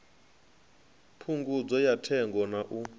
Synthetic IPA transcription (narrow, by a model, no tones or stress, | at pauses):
pʰuŋɡud͡zɔjatʰɛŋɡɔnaʔu